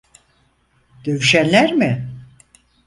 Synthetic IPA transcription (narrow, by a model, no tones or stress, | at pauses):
d̪̥e̞vyʃænlʲæɾmɪ